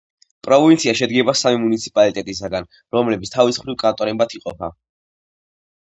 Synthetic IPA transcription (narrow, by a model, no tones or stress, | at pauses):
pʼɾɔvvint̪sʰiaʃɛd̪ɡɛbasamimunit̪sʰi̥pʼalit̪ʼɛt̪ʼisaɡan | ɾɔmlɛbit̪st̪ʰavisχɾivkʼant̪ʼɔɾɛmbat̪ʰiqʼɔpʰa̰